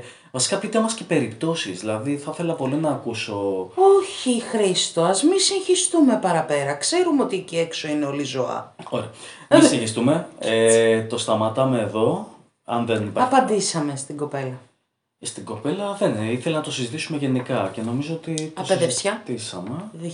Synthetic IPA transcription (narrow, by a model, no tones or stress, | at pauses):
vɐsi̥kɐpit̪emɐsce̞pe̞ɾipt̪o̞sizðilɐðiθɐθe̞lɐpo̞linɐːkuso̞oçixɾist̪oɐzmisinçist̪umepɐɾɐpe̞ɾɐkse̞ɾumeot̪ieciekso̞ineo̞lizoɐ̰oɾeɐmisiçist̪ume̞et̪o̞st̪ɐmɐt̪ɐme̞ːðo̞ | ɐnðe̞nipɐɐpɐnd̪isɐme̞st̪iɡo̞pe̞lɐ | st̪iɡo̞pe̞lɐðeniθelenɐt̪o̞sizit̪isume̞ʝe̞nikɐce̞no̞mizoot̪it̪ɐospezefsçɐt̪isɐ̰me̞ð